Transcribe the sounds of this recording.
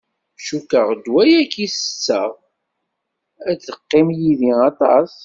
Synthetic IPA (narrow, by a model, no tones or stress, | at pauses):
ʃukəʁd̪wæjækːisə̥t͡sːəʁ | æt͡sːəqːɪmjiðiɑt̪ˤɑs